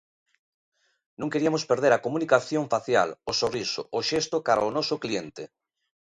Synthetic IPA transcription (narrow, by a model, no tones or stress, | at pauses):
nũŋkeɾiamospeɾðeɾakomunikaθjõɱfaθja̰losoriso̰ʔoʃest̪okaɾaonɔsoklient̪e